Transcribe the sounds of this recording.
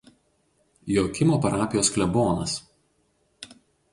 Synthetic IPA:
joːkʲɪmoːpɐɾɑːpʲɪjoːsklʲɛboːnɐs

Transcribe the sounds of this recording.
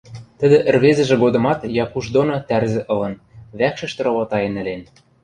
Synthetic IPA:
t̪ə̆d̪ɘ̆ʔɘ̆rβezɘ̆ʒĕɡod̪ɤ̆mɑt̪jɑkuʃd̪onot̪ærzɘ̆ʔɤ̆lɤ̆nβækʃɘ̆ʃt̪ɘ̆ɾoβɑt̪ɑjĕnɘ̆len

